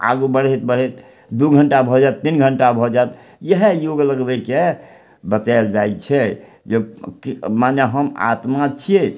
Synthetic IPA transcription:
a̰ɡubəɽ̤et̪̚bəɽ̤ɦet̪ | d̪uɡʱəɳʈabʱɔd͡ʒaet̪ːinɡʱəɳʈabʱɔd͡ʒajt̪ | jəɦejoɡləɡbɛke | bət̪ald͡ʒajt͡ʃʰɛ | jekmaneɦəma̰t̪mat͡ʃʰie

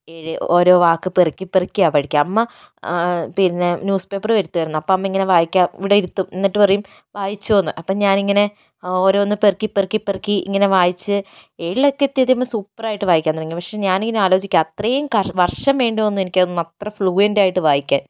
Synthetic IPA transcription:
eɻoːɾo̞ːʋaːkːɨperikʲːipːerikʲːijaːpɐɽikʲːaɐmːɐ | pinːenjuːspe̞ːpːɐrʋɐɾut̪ːuʋɐjɾunːuɐpːoːɐmːɐiŋːɐne̞ʋaːjikʲːaːmʋiɽɐiɾut̪ːumenːiʈːɨpɐrɐjum | ʋaːjit͡ɕːuoːnːɨʔɐpːoːɲaːniŋːɐne̞ | o̞ːɾo̞ːonːɨperkːipːerikːiperkʲːiḭŋːɐne̞ʋaːjit͡ɕːɨeɻiɭekːɐt̪ːiɐðiɐmːɐsuːpːɐraːjiʈːɨʋaːjikʲːaːnːɐɽɐŋːipɐkʂe̞ɲaːniŋːɐneaːlo̞ːt͡ɕikʲːaɐt̪rɐjumkɐʋɐrʂɐmʋe̞ːɳɖionːuenikʲːɐnɨmɐt̪rɐfɭuːjendaːjiʈːɨʋaːjikʲːaːn

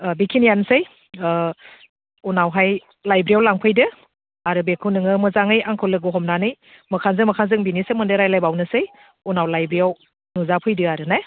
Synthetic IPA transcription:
bikʰinijansɯj | unawɦaj | lajbɾijawlaŋpʰɯjdɯ | aɾɯbekʰɯnɯŋɯmɯzaŋɯjaŋkʰɯwlɯɡɯɦɔmnanɯj | mɐkʰanzɯŋmɐkʰanzɯŋbinisɯmɯndɯɾajlajbawnɯsɯj | unawlajbɾijaw | nuzapʰɯjdɯaɾɯnaj

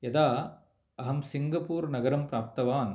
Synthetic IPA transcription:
jɐd̪aː | ɐɦɐmsɪŋɡɐpuːɾnɐɡɐɾɐmpɾaːp̚t̪ɐʋaːn

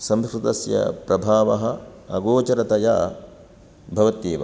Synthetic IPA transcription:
sɐmskɾut̪ɐsjɐ̰pɾɐbʱaːʋɐɦɐ̆ɐɡoːt͡ʃɐɾɐt̪ɐja̰ː | bʱɐʋɐt̪jeːʋɐ̰

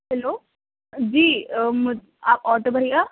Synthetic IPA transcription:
hɛloː | d͡ʒiːm | aːpɔːɾʈobʱəɾia

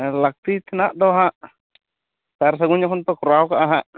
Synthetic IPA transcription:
lak̚t̪it̪ɛnaʔdɔɦaʔ | t̪aɾs̬aɡuɲakɔnpɛkuɾawkaʔaɦaʔ

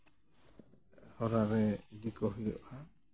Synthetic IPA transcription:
hɔɾaɾɛd̪ikɔɦijɔʔa

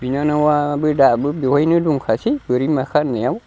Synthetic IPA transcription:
binanawabədabəbewajnəduŋkʰasibəɾimakanəjaw

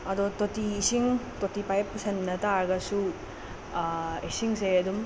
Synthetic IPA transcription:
ɐdɔtotiːsiŋ | totipajp̚senːɐtaɾɡɐsu | isiŋseɐdum

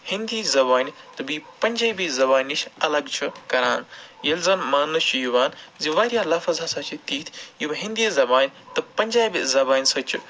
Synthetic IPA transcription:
hɪ̃nd̪iːzɐbaːnʲt̪ɐbiːpɐɲʲd͡ʒaibizɐbaːniʃʰɐlɐɡt͡ʃʰukɐɾaːnjɐlzɐmːaːnɐt͡ʃʰujuʋaːnziʋaːɾijaːlɐfɐzasat͡ʃʰit̪iːt̪ʰibɦɪ̃nd̪izɐbaːnʲt̪ɐpɐɲʲd͡ʒaːibizɐbaːnʲsɐt͡ʃʰi

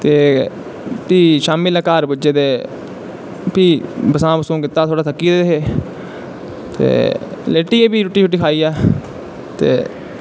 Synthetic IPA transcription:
t̪eː | piːʃaːmɪləkaːɾbəd͡ʒeːd̪eː | piːbəsãːbəsõːkɪt̪ːaːt̪ʰoːɽaːt̪ʰəkːiːd̪eːeɦeː | t̪ḛːleːʈiːeːpiːɾuʈːiːt͡ʃʊʈːiːkʰaːiːɛː | t̪ḛː

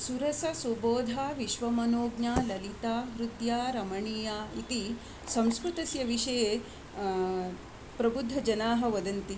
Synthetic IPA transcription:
suɾɐsɐsʋɐboːd̪ʱaːʋiʃʋɐmɐnoːɡnaːlɐlit̪aːɦɾut̪jaːɾɐmɐɳiːjaːit̪i | sɐ̃mskɾut̪ɐsjɐʋiʂɐjeː | pɾɐbud̪ʱːɐd͡ʒɐnaːɦɐ̆ʋɐd̪ɐnt̪i

